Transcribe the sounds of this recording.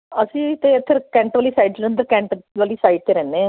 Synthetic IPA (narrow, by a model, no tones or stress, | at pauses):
əsĩːt̪eːpʰɪɾkɛ̃ːɳʈʋaːliːsaːiɖ̚d̪elə̃nd̪əɾkɛ̃ːɳʈʋaːliːsaːiɖ̚t̪eːɾɛ̃ːneː